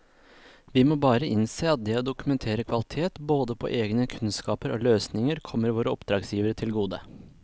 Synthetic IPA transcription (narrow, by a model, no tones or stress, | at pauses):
ʋɪmoːbɑːɾəʔɪnseːɑt̪̚d̪ɛɔd̪ʊkʉmɛnt̪ʰeːɾəkʰʋɑlɪt̪ʰeːt̪boːd̪əpʰo̰ːʔeːɡnəkʰʉnskɑːpəɾʔo̰ːløːsnɪŋəɾkʰɔmːəɾʋoːɾəɔpd̪ɾɑːɡsjiːʋəɾət̪ʰɪlɡuːd̪ə̰